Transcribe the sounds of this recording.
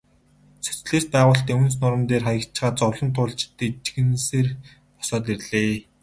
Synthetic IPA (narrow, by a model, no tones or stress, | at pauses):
sɵ̥t͡sɮeːst̪̚pæːʁʊːɬt̪iːŋuns̬nʊɾə̆mt̪eːrχajə̆kt͡ɕɪ̆χaːt͡sɔwɮɞ̆nt̪ʰʊːɮt͡ɕɪ̥t̪ːet͡ɕɡɘ̆nseːr | pɔ̥sɔːt̪irɮeː